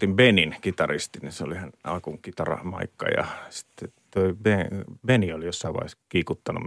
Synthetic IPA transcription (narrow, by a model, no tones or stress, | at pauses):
t̪imbeninkit̪ɑrist̪iniseo̰lihænɑ̰lkuŋkit̪ɑrɑ̰mɑ̰ikːɑ̰jɑ̰si̥t̪ːet̪oibebeniolijosːɑiʋɑ̰iskiːkut̪ːɑnṵ